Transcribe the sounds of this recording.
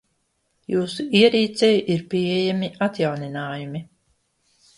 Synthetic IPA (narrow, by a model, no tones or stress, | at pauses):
juːsuiɛɾiːt̪sɛjuʔiɾpʲiejamiʔat̪jawninaːjumi